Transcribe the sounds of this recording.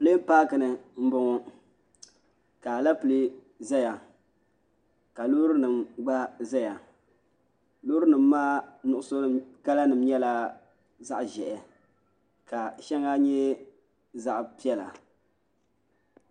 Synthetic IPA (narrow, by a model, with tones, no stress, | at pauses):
ple˦paː˦kɨ˨nɨ˨m̩˦bʊ˦ŋɔ˦ | ka˨la˦pɨ˨le˦ | zɛ˦ja˨ | ka˨lo˦ɾɨ˦nɨ˨mɡ͡ba˦zɛ˦ja˨ | lo˦ɾɨ˦nɨ˨mː˦aː˦nʊ˨ʔʊ˨so˦ka˦la˦nɨ˨m˦ɲɛ˦la˨ | za˦ʔʒɛ˨ʔɛ˨ | ka˨ʃɛ˦ŋa˦ɲɛ˦ | za˦ʔpi˦ɛ˦la̰˨